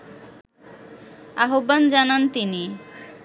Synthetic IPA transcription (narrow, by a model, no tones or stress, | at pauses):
aɦoband͡ʑanant̪ini